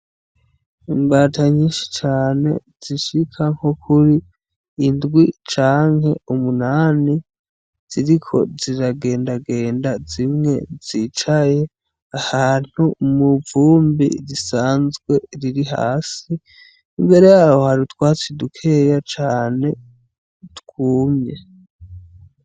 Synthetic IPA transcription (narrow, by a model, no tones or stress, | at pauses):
imbaːtʰaɲiːnʃi̥t͡ʃaːne̞̰z̥iʃikʰaŋ̥hokʰuɾiː | ndɡwit͡ʃaːŋhe̞umunaːni | z̥iɾikʰo̞̰ziɾaɡe̞ːndaɡe̞ːndazimŋe̞̰z̥it͡ʃaje | ahaːn̥humuvuːmbḭɾisaːnzɡwe̞ɾiɾiɦa̰ːsiː | mbe̞ɾe̞jaːwo̞haɾitwaːt͡sidukʰe̞ːjat͡ʃaːne̞ | tkuːmɲe